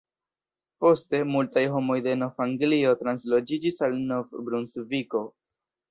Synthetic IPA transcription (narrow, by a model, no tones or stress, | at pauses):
po̞ste̞multajɦo̞mo̞jde̞no̞faŋɡlio̞tɾanslo̞d͡ʒid͡ʒisalno̞fbɾunsviko̞